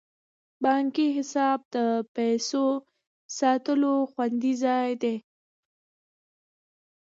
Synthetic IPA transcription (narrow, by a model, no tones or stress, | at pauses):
bɑŋkiɦɪsɑb̚d̪əpɛso | sɑt̪əloxwand̪izɑjd̪e